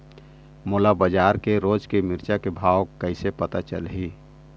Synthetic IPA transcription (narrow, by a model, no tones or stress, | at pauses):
moːlabəd͡ʒaːɾkeɾoːd͡ʒkemɪɾt͡ʃakebʱaːwkəɪsepət̪at͡ʃə̰lɦi